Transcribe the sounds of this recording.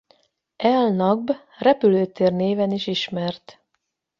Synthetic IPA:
ɛlnɒɡ̚b | rɛpyløːt̪eːrneːvɛniʃiʃmɛrt̪

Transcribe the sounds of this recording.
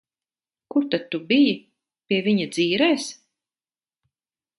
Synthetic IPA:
kuɾt̪ad̪̚t̪ubiji | piɛviɲad̪ziːɾɛːs

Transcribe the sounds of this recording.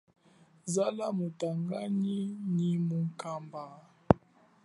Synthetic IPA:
zalamutaŋɡaɲiɲimuŋ̩kamba

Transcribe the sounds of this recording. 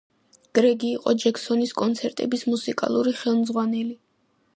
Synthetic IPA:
ɡ̥ɾɛɡiːqʼɔd͡ʒɛksɔniskʼɔnt̪sʰɛɾt̪ʼɛbismusikʼa̰lˠuɾiχɛlˠmd̪zʁwanɛli

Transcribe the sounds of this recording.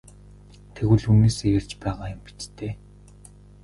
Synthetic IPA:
t̪ʰeɣwɘ̆ɮuneːsejăr̥t͡ɕpæːʁaːjʊmpi̥t̪t̪eː

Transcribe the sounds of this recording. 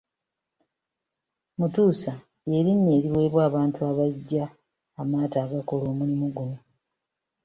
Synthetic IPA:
mutuːsa | je̞ɾinːe̞ːɾiwe̞ːβwaːβaːntuaβaɟːaː | maːtaːɡakolo̞ːmulimuɡuno

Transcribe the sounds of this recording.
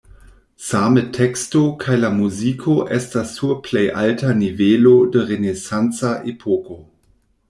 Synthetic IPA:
saːmətʰɛkstokʰajlamuziːkʰoʔɛstastuɐpʰlejʔaltʰanivɛlodəʁenesant͡saʔepʰɔko

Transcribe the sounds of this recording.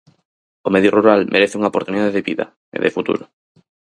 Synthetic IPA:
omeðjoruɾalmʔeɾeθeuŋaopoɾt̪uniðaðeðeβiða̰ | ḛðefut̪ṵɾʊ

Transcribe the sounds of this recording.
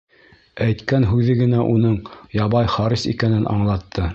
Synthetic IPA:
æjt̪kænɦʉðɘɡɘ̆næʔunɤɴjɑβɑjχɑɾisḭkænɘnʔɑ̰ɴlˠɑt̪ʰːɤ

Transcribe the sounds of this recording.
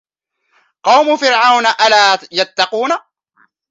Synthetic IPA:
qɑwmʊfɪɾʕawnaʔalaːjat̪ːɑquːna

